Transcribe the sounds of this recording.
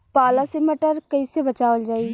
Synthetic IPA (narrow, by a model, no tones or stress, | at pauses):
paːlasɪməʈəɾkəiːsebət͡ʃaːʋəld͡ʒaːiː